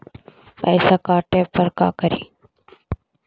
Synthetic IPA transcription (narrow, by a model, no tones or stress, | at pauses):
pɛ̰ːsaːkaːʈeːpəɾka̰ːkəɾḭː